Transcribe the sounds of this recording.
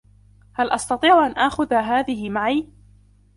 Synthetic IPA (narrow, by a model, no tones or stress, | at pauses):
halʔɑst̪ɑt̪ˤiːʕʔanʔaːxʊðaɦaːðɪɦɪmaʕiː